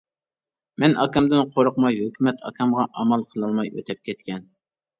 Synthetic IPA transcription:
mɛnʔɑkɑmd̪ɨnqʰoɾʊqmɑjɦøkʲymɛt̪ʰɑ̰kʰɑmʁɑʔɑmɑlˠqʰəlˠɨlˠmɑjø̰t̪ʰɛp̚kʲʰɛt̪̚kʲɛn

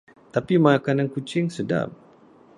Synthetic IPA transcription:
t̪apimãakanaŋkut͡ʃɪŋsəda̰m

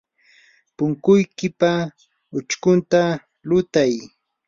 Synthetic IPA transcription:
pʊŋkʊjkɪpa | ʊt͡ʃkʊnt̪a | lʊt̪aj

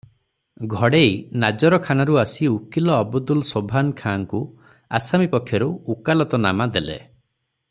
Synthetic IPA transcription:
ɡʱɔɽejnad͡ʒɔɾɔkʰanaɾuasiukilɔːbud̪ulsobʱankʰaŋku | a̰samipɔkʰːjɔɾuukalɔt̪ɔnamad̪elḛ

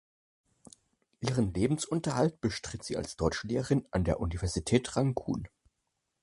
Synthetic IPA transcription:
ʔiːʁənleːbm̩sʔʊntɐhaltb̥əʃtʁ̥ɪtz̥iːa̰lsd̥ɔʏt͡ʃəleːʁəʁɪnʔandeːɐʔunivɛɐzitʰɛːtʁ̥aŋkʰṵːn

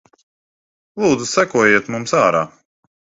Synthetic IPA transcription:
lˠuːd̪zusækuɔjeɛt̪mumsaːɾaː

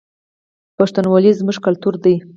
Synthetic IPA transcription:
paʂt̪anwɑlizmuʒkalt̪uɾd̪aj

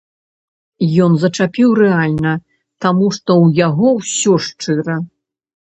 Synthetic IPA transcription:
jɔnzɐt͡ʂapʲiwɾɛalʲnɐ | t̪amuʂt̪ɔwjaɣɔwsʲɔʂt͡ʂɨɾɐ

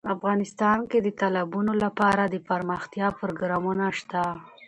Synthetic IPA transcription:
afɣɑnɪst̪ɑnked̪ət̪alabunolapɑɾad̪əpaɾməxt̪jɑpɾoɡɾɑmunaʃt̪a

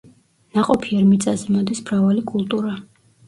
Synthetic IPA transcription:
naqʼɔpʰiɛɾmit̪sʼazɛmɔd̪ismɾavalikʼulˠt̪ʼuɾa

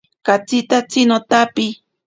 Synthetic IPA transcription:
kat͡sit̪at͡sinot̪api

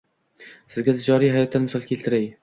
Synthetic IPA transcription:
sɪzɡʲat̪ʰɪd͡ʒɒɾijhajɒt̪ːanmɪsɒlˠkʲʰelt̪ʰɪɾaj

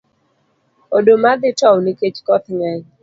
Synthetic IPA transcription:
odomad̪ɪtɔwniket͡ʃkɔt̪ŋɛɲ

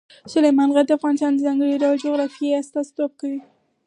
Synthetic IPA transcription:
sʊlajmɑnɣad̚d̪əafɣɑnɪst̪ɑnd̪əzɑŋɡəɽiɾad͡ʒʊɣɾɑfieast̪ɑst̪op̚kawi

